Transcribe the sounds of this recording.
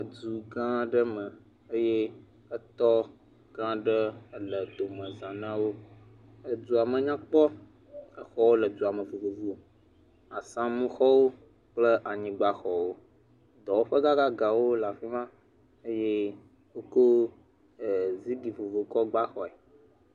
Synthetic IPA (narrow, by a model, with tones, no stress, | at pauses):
ə˨d͡ʒu˨ɡã˦ɖə˦mə̃˨ | ə˦je˦ | ə˦t̪ɔ˦ | ɡã˦ɖə˦lə˨d̪o˨mə̃˨zã˨nã˦wo˦ | ə˦d͡ʒu˨a˨mə̃˨ɲã˦k͡pɔ˦ | ə˦xɔ˦wo˦lə˨d͡ʒu˨a˨mə̃˨vo˨vo˨vu˦o˨ | a˨sã˦mũ˦xɔ˦wo˦ | k͡plə˦ʔa˨ɲĩ˨ɡ͡ba˦xɔ˨wo˦ | d̪ɔ˨wo˦ɸə˦ɡa˦ɡa˦ɡa˨wo˦la˨fi˦mã˦ | ə˦je˦ | wo˦ko˦˨ | zi˦ɖi˨vo˨vo˨kɔ˦ɡ͡ba˦xɔ˨ɛ˨